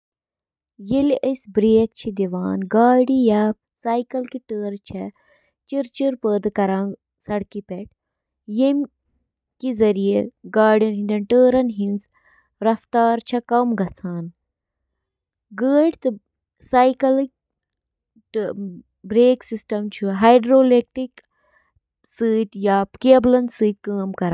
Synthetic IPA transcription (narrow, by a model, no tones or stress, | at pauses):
jeliʔəsbɾeːk̚t͡ʃʰid̪iʋaːnɡaːɖijaːp̚ | saːjkɐlkiʈəːɾt͡ʃʰɛ | t͡ʃiɾt͡ʃiɾpəːd̪kɐɾãːn | sɐɽkipɛʈ̚ | jem | kizɐɾijeɡaːɖɐnɦind̪ɐnʈəːɾɐnɦinz | ɾɐft̪aːɾt͡ʃʰɐkɐmɡʱɐt͡sʰaːn | ɡəːɖt̪ɨ | sajkɐl | ʈ | bɾeːksisʈɐmt͡ʃʰuɦajɖɾoːleːk̚ʈik | sɨːt̪ʲjaːpkeblɐnsɨːt̪̚ʲkəːmkɐɾa